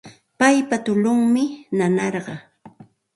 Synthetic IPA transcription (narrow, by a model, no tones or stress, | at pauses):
pajpat̪ʊlʊŋmɪnanɑɾɢɑ